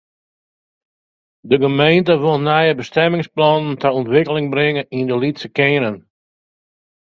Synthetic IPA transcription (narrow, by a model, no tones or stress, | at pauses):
dəɡəmejntəʋolˠnɛjəbəstɛmɪŋsplɔnəntəɔntʋɪkəlɪŋbɾɪŋəindəlitsəkɪːɾən